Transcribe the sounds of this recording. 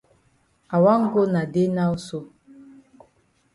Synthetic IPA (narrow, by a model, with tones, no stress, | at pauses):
a˨wa˦ŋ̩˦ɡo˦na˨de˦na˦o˦so˦